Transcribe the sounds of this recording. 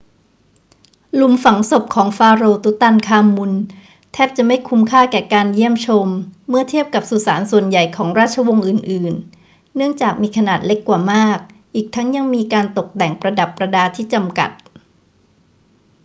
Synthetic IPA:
lu˧˩mfa˨˩˦ŋso˨˩p̚kʰɔː˩˦ŋfaː˧ɾoː˧t̪u˦˥t̪a˧nkʰaː˧mːu˧n | t̪ʰɛː˥˩p̚t͡ɕa˨˩ʔma˥˩jkʰu˧˥mkʰaː˥˩kɛː˨˩kaː˧nji˥˩əmt͡ɕʰo˧mːɯ˥˩ɐt̪ʰi˥˩əp̚ka˨˩p̚su˨˩saː˩˦nsu˨˩ənja˨˩jkʰɔː˩˦ŋɾaː˥˩t̪̚t͡ɕʰa˧wo˧ŋʔɯː˨˩nʔɯː˨˩nː | ɯ˥˩əŋt͡ɕaː˨˩k̚miː˧kʰa˧naː˨˩t̪̚le˦˥kːwaː˨˩maː˥˩k̚ | ʔiː˨˩k̚t̪ʰa˦˥ŋja˧ŋmiː˧kaː˧nt̪o˨˩k̚dɛ˨˩ŋpɾa˧da˨˩pːɾa˧daː˧t̪ʰiː˥˩t͡ɕa˧mka̰˨˩t̪̚

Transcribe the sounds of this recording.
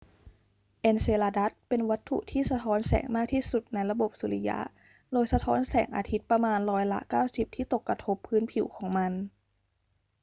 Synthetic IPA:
ʔe˧nseː˧laː˧da˦˥t̪̚pe˧nwa˦˥t̪ʰːṵ˨˩t̪ʰiː˥˩sa˧t̪ʰɔː˧˦˥nsɛ̰ː˩˦ŋmaː˥˩k̚t̪ʰiː˥˩su˨˩t̪̚na˧jɾa˧bo˨˩p̚su˨˩˦li˧ja̰˦˥ʔ | doː˧jsa˧t̪ʰɔː˦˥nsɛ̰ː˩˦ŋʔa̰ː˧t̪ʰi˦˥t̪̚pɾa˧maː˧nɾɔː˦˥jla̰˦˥kaː˥˩wsi˨˩p̚t̪ʰiː˥˩t̪o˨˩kːɾa˧t̪ʰo˦˥pʰːɯː˦˥npʰi˨˩˦wkʰɔː˩˦ŋma˧n

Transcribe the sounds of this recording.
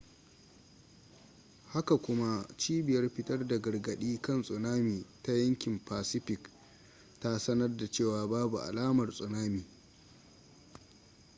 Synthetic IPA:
ha˦ka˨kʷʊ˦ma˦t͡ʃiː˦bɪ˨jɐ˦rɸɪ˦tɐ˦rda˨ɡɐ˨rɡɐ˨ɗiː˦kɐ˦˨nsʼʊ˨naː˦miː˨ta˦jɐ˦ŋkʲɪ˨mpaː˨sɪ˦ɸɪ˨k | ta˦sɐ˦nɐ˦rda˨t͡ʃeː˦˨waː˨baː˦bu˨ʔa̰˨laː˦mɐ˨rsʼʊ˨naː˦miː˨

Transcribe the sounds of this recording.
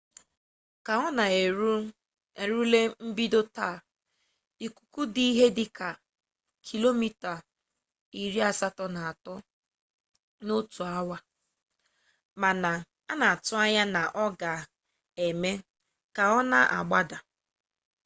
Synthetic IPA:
ka˨ɔ˦na˨e˨ɾu˦ | e˨ɾu˦le˦m̩˦bi˦do˦ta˦˨ | i˨ku̥˨ku˦di˦i˦ɦe˦dɪ˦ka˨ | kʰi˨lo˦mi˦ta˨ | i˨ɾi˦a˨sa˦tɔ˦na˨a˨tɔ˦ | no˦tu˨a˦wa˦ | ma˨na˨ | a˦na˨a˨tʊ˦a˦ɲa˦na˨ʔɔ˦ɡa˨ | e˨me˦ | ka˨ɔ˦na̰˦ʔa̰˨ɡ͡ba˦da˨

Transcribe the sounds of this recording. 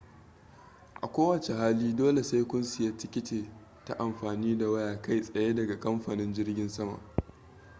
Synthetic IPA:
ʔa̰˨kʷoː˦wɐ˨t͡ʃe˨haː˦liː˦doː˦le˨sa˦jkʷʊ˦nsɪ˨jaː˦tɪ˦kʲɪ˦teː˨ | ta̰˦ʔa˨mɸaː˨niː˦da˨wɐ˦jaː˨ka˦jsʼɐ˨je˦dɐ˨ɡa˨kʼɐ˦mɸaː˨nɪ˦nd͡ʒɪ˦rɡʲɪ˦nsɐ˦ma̰˨ʔ

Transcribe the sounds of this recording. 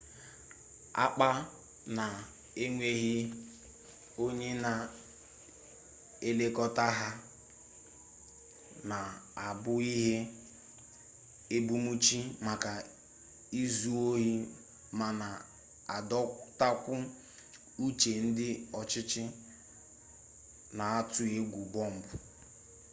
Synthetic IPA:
a̰˦k͡pa˦ | na˨ | e˦ŋʷe˦ɦi˦ | o˦ɲe˦na˨ | e˦le˦kɔ˦ta˦ɦa˦ | na˨a˨bʊ˦i˦ɦe˦ | e˦bu˦mu˦t͡ʃi˦ma˨ka˨ | i˦zu˦o˦ɦi˦ | ma˨na˨ | a˨dɔ˦ta˦kʷʊ˦ | u˦t͡ʃe˨n̩˦dɪ˦ɔ˨t͡ʃɪ˦t͡ʃɪ˦ | na˨a˦tʊ˦e˦ɡʷu˨bɔ˦m̩˨bʊ˨

